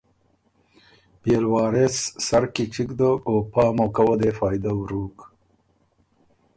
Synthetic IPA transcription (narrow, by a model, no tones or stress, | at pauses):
beːlwɑːɾesːɐɾkiʈ͡ʂikd̪oːkoːpɑːmokɐwɐd̪eːfɑːjd̪awɾuːk